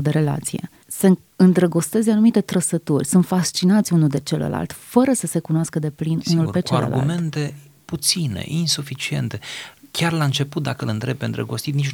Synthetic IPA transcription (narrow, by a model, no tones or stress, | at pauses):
d̪eɾe̞la̰t̪sije̞̰ | sə | ɨnd̪ɾəɡo̞st̪e̞zʲanumit̪e̞t̪ɾəsət̪urʲsunt̪fast͡ʃinat̪sʲunuld̪e̞t͡ʃelə̰lʔa̰lt̪fəɾəsəse̞kunoaskəd̪e̞plinunulpet͡ʃeal̰lṵme̞nt̪e̞ | put̪sine̞̰ʔinsufit͡ʃie̞̰nt̪e̞kʲarlaɨnt͡ʃe̞put̪̚d̪akəɨlɨnt̪ɾe̞b̚pend̪ɾə̰ɡo̞st̪it̪nit͡ʃ